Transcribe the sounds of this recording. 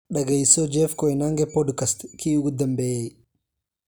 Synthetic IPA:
ɗɐɡɛjsɔd͡ʒɛfkɔjnaŋɡɛpɔdkɐst̪kʰiːʊɡʊd̪ɐmbɛj

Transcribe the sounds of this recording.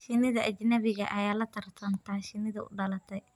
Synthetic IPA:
ʃɪnɪðɐʔɐd͡ʒnɐβɪɣɐʔɐjaːlɐt̪ʰɐɾt̪ʰɐnt̪aːʃɪnɪðɐʊ̰ɖɐlɐt̪ɐ

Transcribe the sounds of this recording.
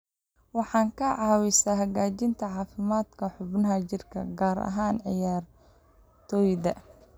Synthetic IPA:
wɑħɑːŋkʰɐʕɑːwɪsaːɦɐɣaːt͡ʃɪnt̪ʰɐʕɑːfɪmaːd̪kʰɐħʊbnɐɦɐt͡ʃɪrkʰɐ̰ɡaːɾɐ̰ɦaːnʕɪjaːr | t̪ʰɔːjðɐ

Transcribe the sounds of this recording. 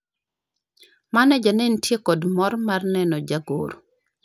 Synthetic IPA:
manɛd͡ʒanentjekɔdmɔɾmarnɛnɔd͡ʒaɡo̰ɾ

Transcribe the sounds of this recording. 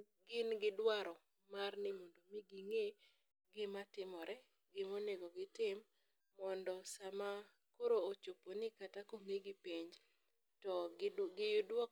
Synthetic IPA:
ɡɪnɡɪdwaɾɔ | marnɪmondomiɡiŋe | ɡɪmatɪmɔɾɛ | ɡɪmoneɡɔɡɪtɪmː | ɔndɔsama | koɾoːt͡ʃoponɪkatakoŋeɡɪpeɲd͡ʒ | tɔɡɪjʊdwɔ

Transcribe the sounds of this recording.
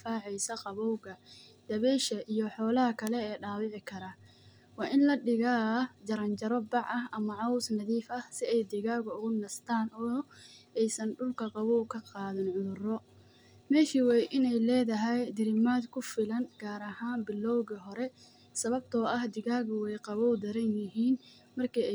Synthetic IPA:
faːʕɛjsɐqɑβɔwɣɐd̪̥ɐβɛʃɐʔijɔħɔːlɐɦɐkʰɐlɛɛːɖaːwɪʕɪkʰɐɾɐ | wɑːʔɪnlɐɗɪɣaːd͡ʒɐɾɐnt͡ʃɐɾɔbɑʕɐɦʔɐmɐʕɑʊsnɐðiːfɐhsɪɛjd̪ɪɣaːɣʊʊɣʊnɐst̪ʰaːnɔːɛjsɐnɖʊlkʰɐqɑβɔwkʰɐqɑːðɪnʕʊðʊrɔ | mɛːʃiwɛjʔɪnɛjlɛːðɐɦɛjd̪ɪɾɪmaːd̪kʰʊfɪlɐnɡ̥aːɾɐhaːnbɪlːɔwɣɐɦɔɾɛ | sɐβɐb̚t̪ʰɔːɐhd̪ɪɣaːɣʊwɛjqɑβɔwd̪ɐɾɐnjɪɦiːn | mɐrkʰi

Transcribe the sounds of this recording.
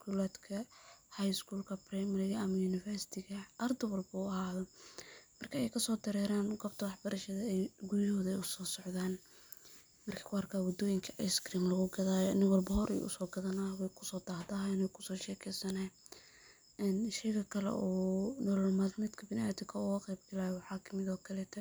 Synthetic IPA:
kʰulaːd̪kʰɐhajskʰuːlkʰɐprɛmlɪɣɐɐmɐjuːnɪfɛrsɪ̥t̪ʰɪɣɐʔɐrd̪ɐwɐlbuɐhaːðɔmɐrkʰɐɛjkʰɐsɔːd̪ɐɾɛːɾaːnɡɐb̚t̪ʰɐwɑħbɐɾɐʃɐðɐɛjɡʊɾɪhɔːðɐɛjʊsɔːsɔʕðaːn | mɐrkʰɐ̥kʰʊɑrkʰaːwɔd̪ɔːjɪŋkʰɐʔɐjskriːmlɐɣʊɡɐðaːjɔɐnɪŋwɑlbɐɦɔɾʔɛ̰jʔʊ̰sɔːɡɐðɐnawɛjkʰʊ̥sɔːd̪aːhd̪aːɦnɛjkʰʊ̥sɔːʃɛːkʰɛjsɐnaː | ɛnʃɛjɣɐkʰɐlɛ̰ʔɔːnɔːlɐlmaːdnɐd̪kʰɐbɪnad̪ɪkʰɐʊɐqɛjbɡɐlaːjɔwɑħɑːkʰɐmɪðɔːkʰɐlɛːt̪ʰɐ

